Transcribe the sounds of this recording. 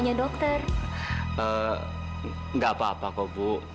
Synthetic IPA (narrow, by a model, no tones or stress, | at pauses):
ɲadɔk̚t̪ər | ə | ŋɡapaːpakɔbuʔ